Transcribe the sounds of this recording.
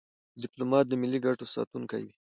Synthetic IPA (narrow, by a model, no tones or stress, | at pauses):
dɪplomɑt̪̚d̪əmɪlːiɡaʈosɑ̰t̪uŋka̰jwi